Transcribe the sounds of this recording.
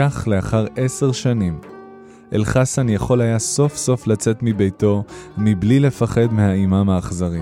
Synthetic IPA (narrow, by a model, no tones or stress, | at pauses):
aχle̞aχaʁe̞se̞ʁʃanim | ʔḛlχasanjaχo̞lajaso̞fso̞flat͡se̞tmibe̞jto̞miblile̞faχe̞dmehaimamaːχzaʁim